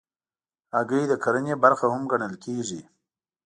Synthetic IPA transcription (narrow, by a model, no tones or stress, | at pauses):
aɡəid̪əkʰaɾənebaɾxahʊmɡaɳəlkeʐi